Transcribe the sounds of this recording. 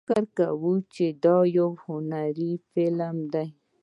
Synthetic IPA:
kaɾkawut͡ʃed̪ɔjowhʊnaɾifɪlamd̪aj

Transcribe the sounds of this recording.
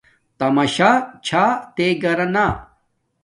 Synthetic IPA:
t̪ɐmɐɕaːt͡ɕʰaːt̪eɡɐɾɐna

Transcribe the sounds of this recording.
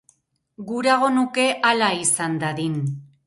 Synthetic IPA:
ɡuɾaɣ̞o̞nuke̞ʔalaisand̪aðin

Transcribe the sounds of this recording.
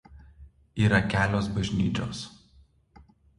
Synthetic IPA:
iːɾɐkʲæːlʲoːsbɐʒʲnʲiːt͡ʃʲo̰ːs

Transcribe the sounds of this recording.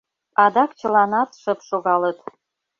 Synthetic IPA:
ɑd̪ɑkt͡ɕə̆lɑnɑt̪ʃəpʃoɣɑlət̪

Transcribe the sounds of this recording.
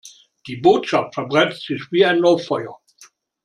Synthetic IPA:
d̥iːboːtʃaftfɛɐbʁɛnstz̥ɪçv̥iːaɪnːɔɪfɔʏɐ

